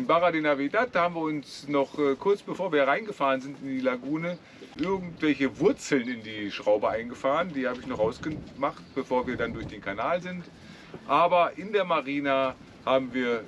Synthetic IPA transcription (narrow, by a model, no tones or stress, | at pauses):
mbaʁadeːnavedathaːbm̩viɐʊnsnɔχʔɛːkʰʊɐt͡sb̥əfoːɐviːɐʁaɪnɡəfaːʁənzɪntɪndiːlaɡuːnə | ʔɪɐɡŋ̩tv̥ɛlçəvʊɐt͡sl̩nɪndiːʃʁ̥aʊbəʔaɪnɡəfaːʁəndiːhaːbəɪçnɔχʔaʊsɡ̥əmaχt̚b̥əfoːɐviːɐdandʊɐçd̥eːnkʰanaːlzɪnt | ʔaːbɐʔɪndeːɐmaʁiːna | haːbm̩viːɐ